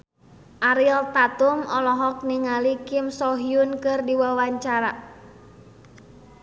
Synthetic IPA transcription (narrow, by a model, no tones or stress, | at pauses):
ʔaɾilt̪at̪umɔlɔɦɔk̚niŋalikɪmsɔɦiunkɨrdiwawaɲt͡ʃaɾa